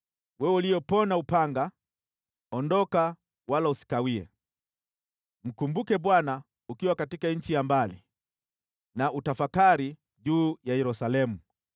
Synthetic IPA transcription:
wɛwulijɔpɔnaupaŋɡa | ɔndɔka | walausi̥kawiɛ̰ | m̩kumbukɛɓwana | ukiwakatikaɲ̩t͡ʃijambalḭ | nautafakaɾi | ʄuːjajɛɾusalɛmu

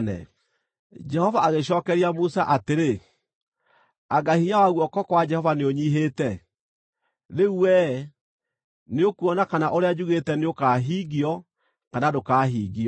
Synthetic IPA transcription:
nɛ̰ | d͡ʒɛhɔvaaɣeɕ̬ɔːkɛɾiamusaʔateɾe | aɡahiɲawaɣwɔkɔkwad͡ʒɛhɔvaneoɲiɦetɛ | ðeuwɛ | neokuɔnakanaʔoɾead͡ʒuɣetɛneokaːɦiːɣiɔ | kanadokaːɦiːɣiɔ

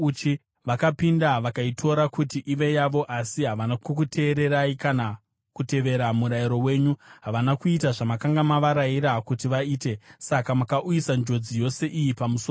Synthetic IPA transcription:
ut͡ʃi | ʋakapindaʋakaitʰo̞ɾakutiʔiʋe̞jaʋo̞ʔasiɦaʋanakukute̞ːɾe̞ɾaikana | kute̞ʋe̞ɾamuɾajiɾo̞we̞ːɲuɦaʋanakuitaʐamakaŋɡamaʋaɾaiɾakutiʋaiːte̞sakamakaʔuisand͡ʒo̞d͡zijo̞se̞ʔijipamuso

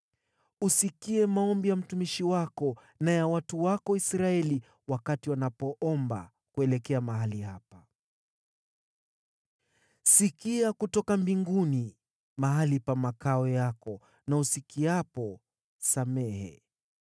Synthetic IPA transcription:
usikiɛmaɔmbijam̩tumiʃiwakɔ | najawatuwakɔisɾaɛli | wakatiwanapɔʔɔmba̰ | kuɛlɛkɛamaɦaliɦapa | sikiakutɔkambiŋɡuni | maɦalipamakaɔjakɔ | nausikiapɔ | samɛhɛ̰

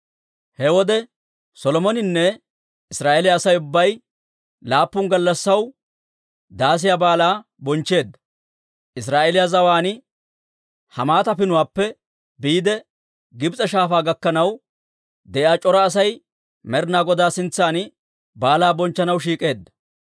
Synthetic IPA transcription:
hɛwɔd̪ɛ | sɔlɔmɔnɪnːɛ | ɪsɾaːʔelɪjaːsɐjʊbːɐj | laːpːʊŋɡɐlːɐsːɐw | d̪aːs̬ɪjabaːlaːbɔnt͡ʃːe̞ːd̪ːɐ̥ | ʔɪsɾaːʔɛlɪjazɐwaːnɪ | hɐmaːt̪ɐpɪnʊwaːpːɛ | biːd̪ɛ | ɡɪbt͡sʼɐʃaːfaːɡɐkːɐnɐw | d̪ɛʔjaːt͡ʃʼɔɾɐːs̬ɐj | mɛɾnaːɡɔd̪aːsɪnt͡sːaːn | baːlaːbɔnt͡ʃːɐnɐwʃiːkʼe̞ːd̪ːɐ̥

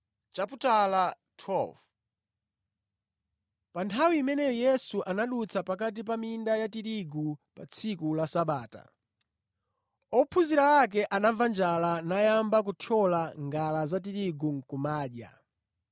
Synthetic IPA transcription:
t͡ʃaputala | tʰwɛlv | pantʰawimɛnɛjɔjɛsuʔanaɗut͡sʰapakat̬ip̬amindajatiɾiɡupat͡sʰikulasaɓaːta̰ | ɔpʰuziɾawak̬ɛʔanavand͡ʒalanajambak̬ut͡ʃʰɔlaŋɡalazat̬iɾiɡuŋ̩kumaːɗa̰

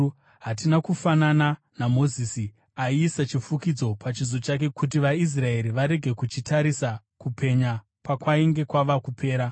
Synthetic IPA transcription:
ɦat̬inakufanana | namo̞ziːsi | aiːsat͡ʃifukid͡zo̞pʰat͡ʃizo̞t͡ʃak̬e̞kut̬iʋais̬rae̞ɾiʋaɾe̞ɡʱe̞kut͡ʃitʰaɾisa | kupʰe̞ɲa | pakwaiŋɡe̞kwaʋakupʰe̞ːɾa

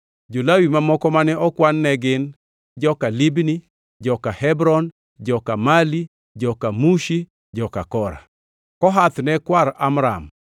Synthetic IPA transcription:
d͡ʒolawimamɔkɔmanɛʔɔkwanːɛɡɪn | d͡ʒɔkalibni | d͡ʒɔkahɛbɾɔn | d͡ʒɔkamali | d͡ʒɔkamuʃi | d͡ʒɔkakɔɾa̰ | kɔɦat̪nɛkwaɾamɾa̰m

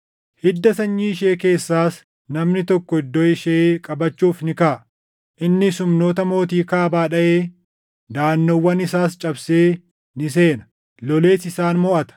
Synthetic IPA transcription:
hɪd̪ːɐsɐɲːiɪʃeːke̞ːsːaːs | nɐmnɪt̪ɔkːɔɪd̪ːɔɪʃeːkʼɐbɐt͡ʃːuːfnɪkaː | ʔɪnːɪsʊmno̞ːt̪ɐmo̞ːt̪̬iːkaːbaːᶑɐʔeː | d̪aːnːowːɐnɪsaːst͡ʃʼɐbse̞ː | nɪs̬e̞ːnɐ | lɔle̞ːsɪsaːnmɔʔɐt̪ɐ̥

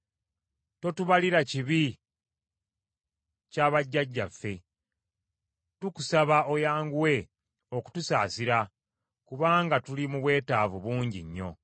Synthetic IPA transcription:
to̞tuβaliɾaciβi | caβaɟːaɟːa̰fːe̞ | tuku̥saβao̞jaːŋɡuwe̞ | o̞ku̥tusaːsiɾa | kuβaːŋɡatulimuβwe̞ːtaːvuβuːɲɟḭɲːo̞̰

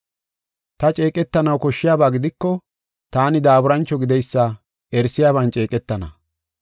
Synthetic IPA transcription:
t̪ɐt͡ʃʼe̞ːkʼɛt̪ːɐnɐwkɔʃːɪjaːbaːɡɪd̪ɪkːɔ | t̪aːnɪd̪aːbʊɾɐnt͡ʃːɔɡɪd̪ɛjsːɐ | ɛɾsɪjaːβɐnt͡ʃʼe̞ːkʼɛt̪ːɐnɐ̰

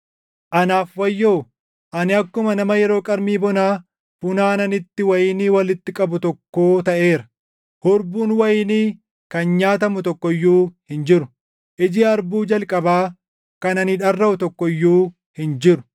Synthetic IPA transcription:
ʔɐnaːfwɐjːoː | ʔɐnɪɐkːʊmɐnɐmɐjɛɾo̞ːkʼɐɾmiːbɔnaː | fʊnaːnɐnɪt̪ːɪwɐjɪniːwɐlɪt̪ːɪkʼɐbʊt̪ɔkːo̞ːt̪ɐʔe̞ːɾɐ̥ | hɔɾbuːnwɐjɪniː | kɐnɲaːt̪̬ɐmʊt̪ɔkːɔjːuːhɪnd͡ʒɪɾʊ | ʔɪd͡ʒɪːɐɾbuːd͡ʒɐlkʼɐbaː | kɐnɐnɪᶑɐrːɐʔʊt̪ɔkːɔjːuː | hɪnd͡ʒɪɾʊ̥

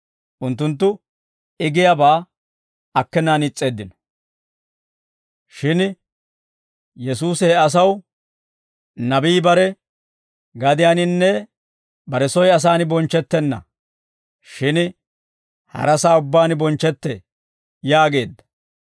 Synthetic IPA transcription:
ʔʊnt̪ːʊnt̪ːʊ | ɪɡɪjabaː | ɐkːɛnaːnɪt͡sʼːe̞ːd̪ːɪnɔ̥ | ʃɪn | jɛsuːsɛːɐs̬ɐw | nɐbiːbɐɾɛ | ɡɐd̪ɪjaːnɪnːɛ | bɐɾɛsɔjɐs̬aːnɪbɔnt͡ʃːɛt̪ːɛnːɐ̰ | ʃɪn | hɐ̰ɾɐsaːʊbːaːnbɔnt͡ʃːɛt̪ːɛ | jaːɡe̞ːd̪ːɐ̥

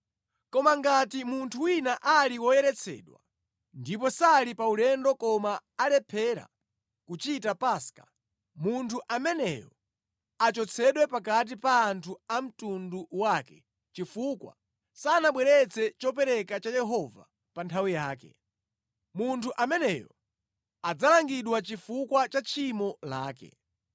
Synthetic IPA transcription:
kɔmaŋɡatimuntʰuwinaʔaliwɔjɛɾɛt͡sʰɛ̰ːɗwa̰ | ndip̬ɔsalipaulɛndɔkɔmaːlɛpʰɛɾa̰ | kut͡ʃitapaskḁ | muntʰuʔamɛnɛjɔ | at͡ʃɔt͡sʰɛɗwɛpak̬at̬ipaːntʰuam̩tunduwaːkɛ | t͡ʃifukwa̰ | saːnaɓwɛɾɛt͡sʰɛt͡ʃɔp̬ɛɾɛkat͡ʃajɛɦɔva̰ | pantʰawijaːkɛ̰ | muntʰuʔamɛnɛjɔ | ad͡zalaŋɡiɗwat͡ʃifukwat͡ʃat͡ʃʰimɔla̰ːkɛ̰

